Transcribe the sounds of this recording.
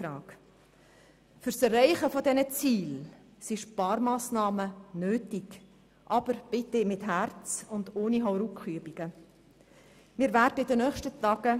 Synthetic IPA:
ɾɑːk | fʏɾsɛrrɛɪχəfɔdɛnət͡siːl | siʃpɑːɾmɑːsnɑːmənøːtik | ʔɑb̥əɾb̥ɪtemɪthæɾt͡sʊndoːniɦɔʊɾukχyəbiɡ̥ə | mɪːɾvæːrdəɪdənœːχʃtətɑːɡ̥ə

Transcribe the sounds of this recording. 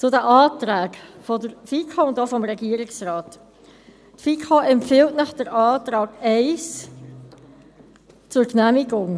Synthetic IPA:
t͡sʊdəʔɑːtɾæːɡfɔdəɾfiːkʰoʊndofɔmɾɛɡiːəɾɪksrɑːt | tfiːkʰoɛmpfɪltnɑχd̥əɾɑːtɾɑːɡɛɪs | t͡sʊɾknæmɪɡʊŋ

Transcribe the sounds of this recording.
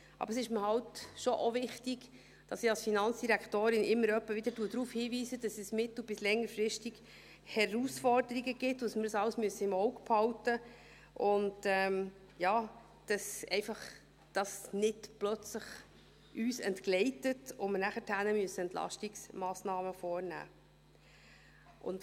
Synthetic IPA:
ʔɑ̰bəɾsɪʃməhɑwtʃoʔovɪχtiɡ̥ | d̥ɑsiɑlsfinɑnt͡sd̥iɾækt̪oːɾɪnʔɪmːəɾœpːəvɪd̥əɾduːəd̥̪ɾuːfhiːviːsəd̥ɑsɛsmɪtlub̥ɪslɛŋːəɾfrɪʃtiɡ̥ | hɛruːsfɔrd̥əɾiɡəɡɪtːsməɾəsɑləsmyəsəɪmɔwkphɑwtə | ʔʊntɛːm | jɑː | d̥ɑsɛɪfɑχ | d̥ɑsnɪtplœt͡sləχ | ʔyːsɛ̰ntklɛɪtətʊmənæχətʰænəmyəsəɛnt̪lɑ̰ʃtiksmɑːsnɑːməfɔːrnæ̰ː | ʔʊ̰nt

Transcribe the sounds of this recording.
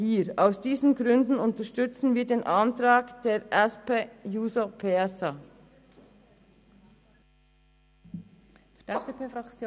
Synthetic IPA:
hiːɾaʊsd̥iːzn̩ɡʁʏndn̩ʊntəʃtʏt͡sn̩viːɐdeːnʔɑntʁaːkd̥eːɾʔɛspejuːzopʰeɛsa | ɛdepefakː

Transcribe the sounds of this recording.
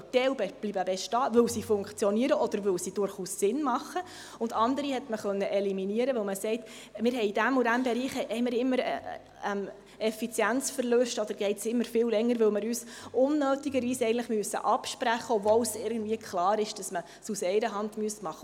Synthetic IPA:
tɛwbɛblibəbɛʃtɑːʋɵlsifʊŋkt͡sjɔniəɾəʔɔd̪̥əɾʋɵlsid̥ʊɾχuːsːɪnmɑχə | ʊndɑndəɾihɛtməχœnːəʔɛliminiəɾəʋɵlməsɛɪt | mɪːɾɦɛɪd̥æmudæmbɛɾiːχɛhɛɪmɪːɾɪmːəɾ | ɛm | ɛfit͡sjænt͡sfəɾløʃtɔd̥̪əɾɡ̥ɛɪtsɪmːəɾfɪːllɛŋːəɾʋɵlmɪɾyːsʊnːøːtiɡəɾʋiːsɛɪɡn̩tləχmyəsːə̰ʔɑpʃpɾæχəɔvɔlsɪɾɡən̩dviəkχlɑːɾɪʃd̥ɑsmə | susɛɪɾəɦɑndmyəsmɑχːə

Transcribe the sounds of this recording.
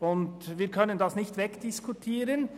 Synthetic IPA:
ʊndviːɾkʰœnəndɑsnɪçtvɛkd̥ɪskʰutʰiːɾən

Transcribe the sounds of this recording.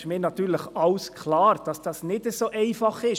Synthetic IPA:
mɪːnɑt̪yːɾləχɑʊskʰlɑːɾd̥ɑsd̥ɑːsnɪd̥əsoːʔɛɪfɑχɪʃ

